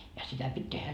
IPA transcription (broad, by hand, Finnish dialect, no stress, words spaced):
jɑ sitæ pitʲ tehæ